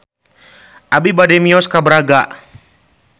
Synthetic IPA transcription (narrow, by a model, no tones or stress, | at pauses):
ʔabibadɛmiɔskabəɾaɡaʔ